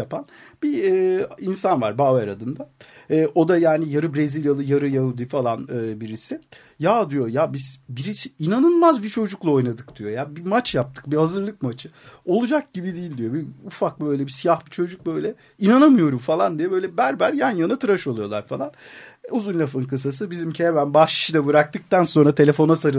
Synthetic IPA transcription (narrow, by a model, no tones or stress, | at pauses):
apanbiɛːinsanva̰ɾbaːvæɾad̪ɯnd̪aɛːʔo̞d̪ajaːnijaɾɯbɾe̞zilʲjalˠɯjaɾɯjaɦud̪ifalˠanɯːbiɾisɪ | jad̪ijo̞jabizbiɾit͡ʃʰiinanɯlˠmazbit͡ʃʰo̞d͡ʒuklˠao̞jnad̪ɯk̚d̪̥ijo̞jabimat͡ʃjap̚t̪ʰɯ̥k̚bihazɯɾlˠɯk̚mat͡ʃʰɯo̞lˠud͡ʒak̚ɟ̥ibid̪iːlʲd̪ijo̞biufak̚bø̞jlʲɛbisijahbit͡ʃʰo̞d͡ʒuk̚bø̞jlʲɛ | inanamɯjo̞ɾumfalˠand̪ijɛbø̞jlʲɛbæɾbæɾjanjanat̪ʰɯɾaʃo̞lˠujo̞lˠa̰ɾfalˠan | uzunlʲaf̬ɯnkɯs̬as̬ɯbizimcʰebænbaʃi̥ʃɯd̪abɯɾak̚t̪ʰɯk̚t̪anso̞nɾat̪ʰe̞lʲe̞fo̞nasaɾɯ